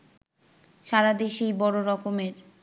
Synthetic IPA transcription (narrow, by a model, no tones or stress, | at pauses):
ʃaɾad̪eʃejbɔɽoɾɔkomeɾ